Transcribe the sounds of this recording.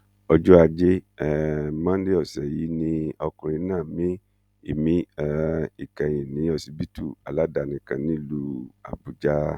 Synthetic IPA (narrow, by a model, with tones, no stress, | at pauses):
ɔ˧d͡ʒo˦a˧d͡ʒe˦˨ | mã˦n˦de˦ɔ˦˨sɛ˨ji˨˦nĩ˧ɔ˧kũ˨ji˨˦nãː˦˨mĩ˦ | ḭ˨mĩ˦ɛ˨i˨kã˨jĩ˨nĩ˨˦ɔ˧˨si˧bi˦tu˦˨a˨la˨˦da˨nĩ˨kã˨nĩ˨˦lu˦a̰˨bu˨d͡ʒa˦